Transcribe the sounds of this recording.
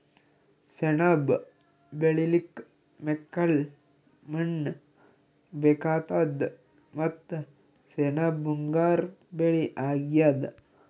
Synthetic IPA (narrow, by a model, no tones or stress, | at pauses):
senab | beɭilik | mekːɐl | mɐɳː | bekaːt̪ad̪ | mɐt̪ː | senabuŋɡaːɾbeɭiʔaːɡjad̪